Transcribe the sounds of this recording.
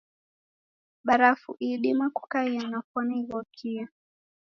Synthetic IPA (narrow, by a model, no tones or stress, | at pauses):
ɓaɾafṵʔiɗimaku̥kaianafwɔniiɣɔkʰia